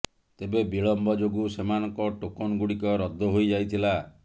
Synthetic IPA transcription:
t̪ebebiɭɔmbɔd͡ʒoɡusemanɔŋkɔʈokonɔɡuɽikɔɾɔd̪ʱːɔɦojd͡ʒajt̪ʰila

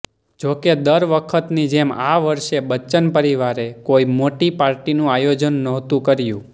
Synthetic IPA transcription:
d͡ʒoked̪əɾʋəkʰət̪nid͡ʒemaʋəɾʃebət͡ʃənpəɾiʋaɾekoimoʈipaɾʈinũajod͡ʒənːəɦt̪ũkəɾjũ

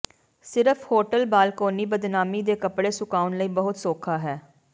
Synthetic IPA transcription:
sɪɾəfʰhoːʈəlbaːlkoːniːbəd̪naːmiːd̪eːkəpɽeːsʊkaːunləiːbəɦʊt̪soːkʰaːɦɛː

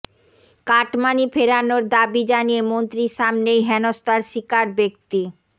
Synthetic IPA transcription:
kaʈmanifʰeɾanoɾd̪abid͡ʑanijemont̪ɾiɾʃamnejɦɛnost̪aɾʃikaɾbek̚t̪i

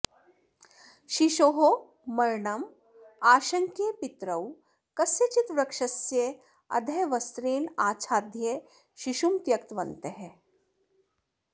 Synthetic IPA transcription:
ʃiʃoːɦo | mɐɾɳɐm | aːʃɐŋkepit̪ɾɐw | kɐsjɐt͡ʃit̪ʋɾɐkʂɐsje | ɐ̰d̪ʱɐjʋɐst̪ɾeːɳaːt͡ʃʰaːd̪ʱje | ʃiʃumt̪jɐkt̪ʋɐnt̪eɦe

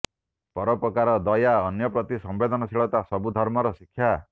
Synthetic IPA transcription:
pɔɾɔpɾɔkaɾɔd̪ɔjaɔnjɔpɾɔt̪isɔmbed̪ʱɔnɔsiɭɔt̪asɔbud̪ʱɔɾmɔɾɔsikʰːja

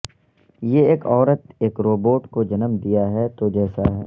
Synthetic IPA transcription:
jeeːkɔːɾət̪eːkɾoːboːʈkod͡ʒɐnəmd̪ijaɦɛt̪od͡ʒɛːsaɦɛ̰ː

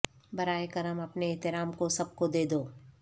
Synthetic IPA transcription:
bɐɾaːekɐɾəmɐpneːɦt̪ɪɾaːmkosɐb̚kod̪eːd̪oː

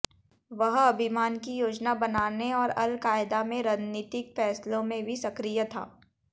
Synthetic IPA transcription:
ʋɐɦɐbʱɪmaːnkijoːd͡ʒnabɐnaːneɔːɾɐlkaːɪd̪amẽɾəd͡ʒniːt̪ɪkfɛːslõmẽbʱisɐkɾijət̪ʰa̰ː

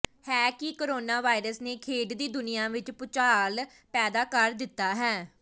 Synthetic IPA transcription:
hɛːkɪkoːɾoːnaːʋaːɪɾəsneːkʰeːɖd̪iːd̪ʊnɪjãːʋɪt͡ʃpʊt͡ʃaːl | pɛːd̪aːkəɾd̪ɪt̪ːaːɦɛː

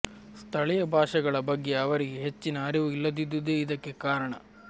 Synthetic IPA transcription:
st̪ʰɐɭɛjɐbʱaːʂɐɡɐɭɐbɐɡːe̞ɐʋɐɾiɡeɦet͡ʃːinɐːɾiʋuilːɐd̪id̪ud̪eːid̪ɐkːe̞kaːɾɐɳɐ

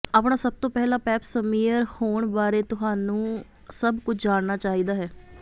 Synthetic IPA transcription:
aːpɳaːsəb̚t̪õːpɛːlaːpɛːpsəmiːəɾhoːɳbaːɾeːt̪ʊɦaːnũː | səbkʊt͡ʃʰd͡ʒaːɳnaːt͡ʃaːiːd̪aːɦɛː

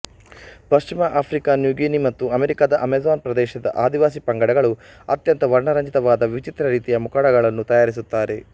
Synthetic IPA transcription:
pɐʃt͡ʃimɐʔaːpʰɾikanjuːɡiːnimɐt̪ːuɐmeɾikaːd̪ɐʔɐmezaːnpɾɐd̪ɛːʃɐd̪ɐ̰ʔaːd̪iʋaːsipɐŋɡɐɽɐɡɐɭu | ɐt̪jɐnt̪ɐʋɐɾɳɐɾɐɲd͡ʒit̪ɐʋaːd̪ɐʋit͡ʃit̪ɾɐɾiːt̪ijɐmukaːɽɐɡɐɭɐnːut̪ɐjaːɾis̬ut̪ːaːɾe̞

